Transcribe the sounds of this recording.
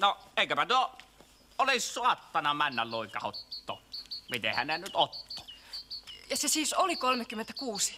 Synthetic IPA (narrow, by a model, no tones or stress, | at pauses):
noeˑikøpæt̪uo | olissuɑt̪ːɑnɑmænːælloˑikɑho̰t̪ːo̰ːmit̪ehæ̰nnenyt̪ot̪ːo̥ | jɑsesiːsolikolmekymːent̪ækuːsi̥